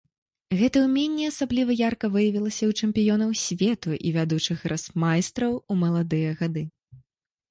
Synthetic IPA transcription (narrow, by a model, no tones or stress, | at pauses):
ɣɛt̪ɐwmʲɛnʲːɛasablʲivɐjarkɐvɨjɐvʲilˠɐsʲɐwt͡ʂɛmpʲijɔnɐwsʲvʲɛt̪uʔḭvʲad̪ut͡ʂɨxrʔasmajst̪ɾɐwumɐlˠad̪ɨjɐɣad̪ɨ